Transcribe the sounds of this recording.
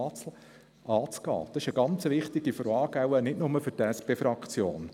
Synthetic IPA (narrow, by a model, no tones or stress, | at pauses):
t͡sl | ɑːt͡sɡ̥ɑ̰ːd̪̥ɑsɪʃəɡɑnt͡səʋɪχt̪ɪɡifɔɾɑːɡ̥awənɪtnʊməfʏɾtɛspeːfɾɑkʰt͡sjo̰ːn